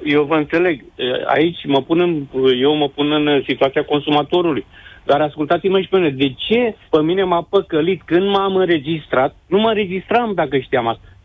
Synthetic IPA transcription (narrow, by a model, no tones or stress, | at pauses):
je̞wvəɨnt̪se̞le̞ɡ | əa̰it͡ʃʲməpunɨnje̞wməpunɨnsit̪uat̪siako̞nsumat̪o̞ɾulujd̪aɾaskult̪at̪siməʃipeuuned̪e̞t͡ʃe̞pəmine̞mapəkəlit̪kɨnd̪mamɨnɾe̞d͡ʒist̪ɾat̪̚numəɨnɾe̞d͡ʒist̪ɾamd̪akəʃt̪iamast̪ḁ